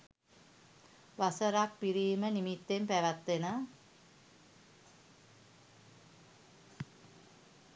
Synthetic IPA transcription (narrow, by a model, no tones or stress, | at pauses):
ʋasəɾak̚piɾiːmənimit̪ːempæʋat̪ːenə